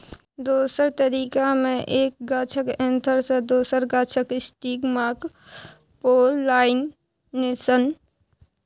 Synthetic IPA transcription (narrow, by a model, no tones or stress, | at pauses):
d̪oːsəɾt̪əɾiːkamẽʔeːk̚ɡaːt͡ʃʰəkẽnt̪ʰəɾsẽd̪oːsəɾɡaːt͡ʃʰəkɪsʈiːɡmaːk | poːlːaːɪnː | esən